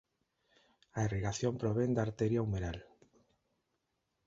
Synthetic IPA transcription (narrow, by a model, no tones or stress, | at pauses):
aeriɣaθjompɾoβend̪aɾt̪eɾjaumeɾal